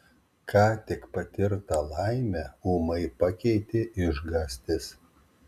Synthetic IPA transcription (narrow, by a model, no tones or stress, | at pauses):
kʰɑːt̪ʲɪkpɐt̪ʲɪɾt̪ɐlˠɐɪmʲɛuːmɐɪpɐkʲɛɪt̪ʲɪʔɪʒɡɑːsʲt̪ʲɪs